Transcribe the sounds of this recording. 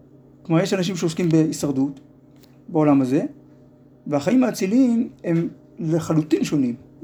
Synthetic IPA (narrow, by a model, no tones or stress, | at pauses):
kmaʁjeʃanaʃ̬imʃeo̞skimbeisaʁd̪ut̪ | beo̞lamaze̞ | veaχajimhaːt͡silime̞m | leχalutinʃo̞nim